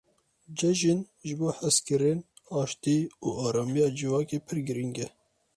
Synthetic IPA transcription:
d͡ʒɛʒin | ʒɨboːħæskɨɾen | ɑːʃt̪iːuːɑːɾɑːmijɑːd͡ʒɨvɑːkeːpʰɨɾɡɨɾiŋɡɛ

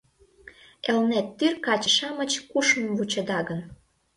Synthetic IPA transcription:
elnet̪ːyrkɑt͡ɕəʃɑmə̆t͡ɕkuʃmə̆mvut͡ɕə̆d̪ɑɣən

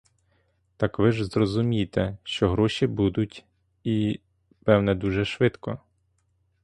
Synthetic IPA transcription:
t̪ɑkʋɪʒzrɔzʊmʲijt̪ɛʃt͡ʃɔɦɾɔʃʲibud̪ʊtʲ | i | pɛwnɛd̪uʒɛʃʋɪt̪kɔ

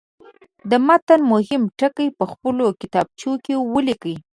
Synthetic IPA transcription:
d̪əmat̪anmʊɦɪmʈəkəjpəxpəlokɪt̪ɑb̚t͡ʃokewəlikəj

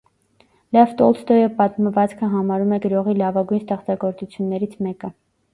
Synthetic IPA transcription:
lɛft̪ɔlst̪ɔjəpɑt̪məvɑt͡skʰəɦɑmɑɾumɛɡəɾɔʁilɑvɑɡujnst̪ɛχt͡sɑɡɔɾt͡sut͡sʰjunːɛɾit͡sʰmɛkə

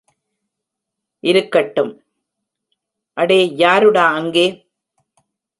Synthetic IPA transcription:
ʔɪɾɯkːɐʈːɯm | ʔɐɽeːjaːɾɯɽaːɐŋɡeː

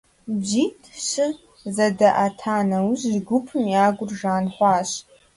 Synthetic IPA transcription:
d͡ʒiːtʰʃɪ | zɐdɐʔatʰaːnɐwʑʒɡʷʊpʰɨmjaːɡʷʊrʒaːnħʷɑːɕ

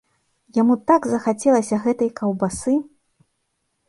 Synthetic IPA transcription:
jamut̪aɡzɐxat͡sʲɛlˠɐsʲɐɣɛt̪ɐjkʰɐwbasɨ

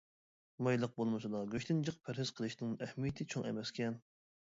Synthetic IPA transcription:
mɑjlˠəq̚bolˠmɨsɨd̪ɑɡʲøʃt̪ʰɪnd͡ʒəq̚pʰæɾhɪz̥qʰəlˠɨʃnɪŋɛhmijɪt̪ʰɪt͡ʃʰoŋɛ̰mɛskʲɛn

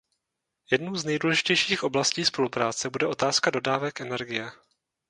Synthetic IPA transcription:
jɛdnowznɛjduːlɛʒɪcɛjʃiːxʔo̞blasciːspo̞lupɾaːt͡sɛbudɛot̪aːskado̞daːvɛkʔɛnɛɾɡɪjɛ

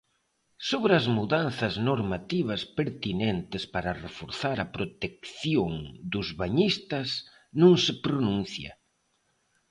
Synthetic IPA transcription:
soβɾɐzmuðanθɐznoɾmat̪iβ̞ɐspeɾt̪inent̪ɪspaɾɐrefoɾθaɾɐpɾot̪ek̚θjoŋd̪ʊzβaɲist̪ɐs | nũŋsɪpɾonũn̟θjɐ̰

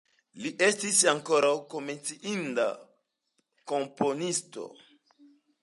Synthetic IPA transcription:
liʔe̞stisaŋko̞ɾawko̞me̞nt͡siʔinda̰ | ko̞mpo̞nisto̞̰

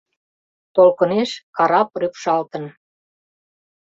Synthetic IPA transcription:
t̪olkə̆neʃkɑɾɑp̚rypʃɑlt̪ə̆n

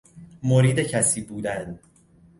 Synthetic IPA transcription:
moɾiːd̪e̞cʰæsiːbuːd̪æn

